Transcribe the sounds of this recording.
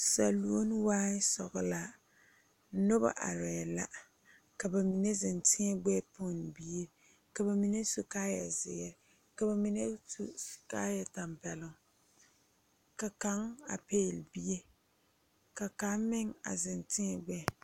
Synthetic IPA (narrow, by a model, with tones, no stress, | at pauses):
sa˨lu˨˦o˦n˦waː˦ɪ˦sɔ˨ɣʊ˨la˨˦ | no˦ba̰˨ʔa̰˨ɾɛ˨la̰˦ | ka˨ba˨mi˨ne˦zɪ˨ntɪ˦ɛ˦ɡ͡bɛ˦pʊ˦˨n˨bi˦e˦ɾ | ka˨ba˨mi˨ne˦su˨kaː˦ja˨zɪ̰˨ɛ˦˨ɾ | ka˨ba˨mi˨ne˦su˦˨skaː˦ja˨ta˨mpɛ˨lʊ˨ŋ˨ | ka˨ka˦ŋa̰˨peː˦˨lbi˦e˦ | ka˨ka˨˦mɪ˦ŋa̰˨zɪ˨ntɪ˦ɛ˨ɡ͡bɛ˦˨˦